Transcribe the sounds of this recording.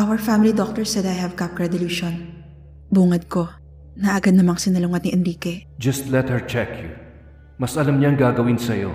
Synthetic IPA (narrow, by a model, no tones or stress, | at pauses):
ʔawɛɹfamɪlid̪ok̚t̪ɛɹsɛd̪ajhɐvkap̚ɡɹɛd̪ʊluːʃon | buːŋɐd̪̚ko̞ | nɐʔɐɡad̪nɐmaŋsɪnɐlʊŋɐt̪̚niʔɛnɾiːkɛd͡ʒɐst̪lɛt̪̚hɛɹt͡ʃɛkʰju | mɐsʔɐlɐmɲaɐŋɡaːɡɐwɪnsɐjo̞̰